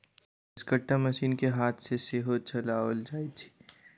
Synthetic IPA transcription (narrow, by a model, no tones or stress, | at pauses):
ɪskəʈːamɐʃiːnkeɦaːt̪ʰseseɦot͡ʃɐlaːʋəld͡ʒaːit̪ʰi̥